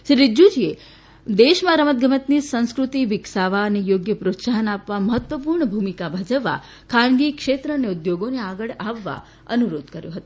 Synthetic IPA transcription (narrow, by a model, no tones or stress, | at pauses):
ʃɾiɾid͡ʒud͡ʒie | d̪eʃmãɾəmət̪̚ɡʱəmət̪nisə̃ñskɾut̪iʋɪksaʋaənejoɡjəpɾot̪saɦənapʋaməɦət̪ʋəpuɾɳəbʱumikabʱad͡ʒəʋːa̰ | kʰãɳɡikʃet̪ɾəəneud̪joɡoneaɡəɭaʋːa̰ | ənuɾod̪kəɾjõɦət̪ũ